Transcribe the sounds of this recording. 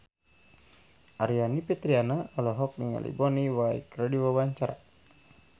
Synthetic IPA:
ʔaɾianipit̪ɾianaɔlɔɦɔk̚niŋa̰lḭbɔniwaḭkɾadiwawaɲt͡ʃaɾa̰

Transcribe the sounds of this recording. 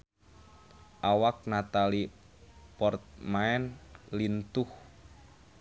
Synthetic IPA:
ʔawak̚nat̪ali | pɔrt̪̚maɛnlint̪ʊh

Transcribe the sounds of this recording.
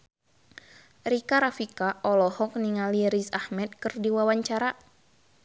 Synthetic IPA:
ɾikaɾafikaʔɔlɔhɔk̚niŋaliɾisahmɛt̪̚kɨrdiwawaɲt͡ʃaɾa

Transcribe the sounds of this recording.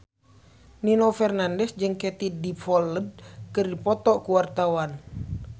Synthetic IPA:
ninofɛrnandɛsd͡ʒɨŋkɛt̪idifɔləd̚kɨrdipɔt̪ɔʔkuwart̪awan

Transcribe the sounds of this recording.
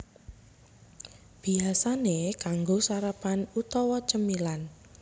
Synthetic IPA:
b̥i̤asanekaŋɡosaɾəpanut̪ɔwɔt͡ʃəmilan

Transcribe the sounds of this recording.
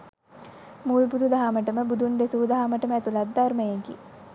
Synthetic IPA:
muːlbud̪ʱud̪aɦaməʈəməbud̪ʱund̪esud̪aɦaməʈəməæt̪ulad̪ːarməjeɡḭ

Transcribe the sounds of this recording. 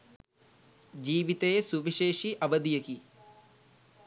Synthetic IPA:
d͡ʑiːʋit̪ejesuʋiʃeːʂiʔɐʋɐd̪ijɐki

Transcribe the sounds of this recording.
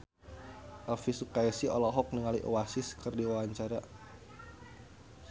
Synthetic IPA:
ʔafisukaɛsiɔlɔɦɔk̚niŋaliʔowasɪskɨrdiwawaɲt͡ʃaɾa

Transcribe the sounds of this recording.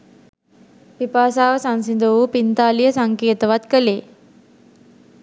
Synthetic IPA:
pipaːsaːʋəsansind̪əʋupint̪aːlijəsaŋkeːt̪əʋat̪kəleː

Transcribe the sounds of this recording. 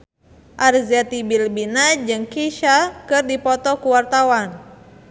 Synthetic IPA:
ʔarzat̪ibilbinad͡ʒɨŋkiʃakɨrdipɔt̪ɔkuwart̪awan

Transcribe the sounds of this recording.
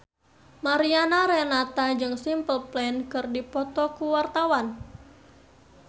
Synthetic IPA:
maɾianaɾɛnat̪ad͡ʒɨŋsimpəlplɛnkɨrdipɔt̪ɔkuwart̪awan

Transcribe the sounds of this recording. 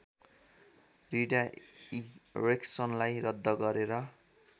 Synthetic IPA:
riɖaireksʌnlajrʌd̪ʱːʌɡʌɾeɾʌ

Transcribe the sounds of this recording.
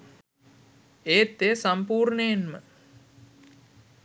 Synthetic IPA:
eːt̪ːesampuːrneenmə

